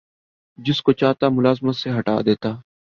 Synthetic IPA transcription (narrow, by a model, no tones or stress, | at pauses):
d͡ʒɪskoːt͡ʃaːt̪aːmʊlaːzmət̪seɦəʈa̰ːd̪eːt̪aː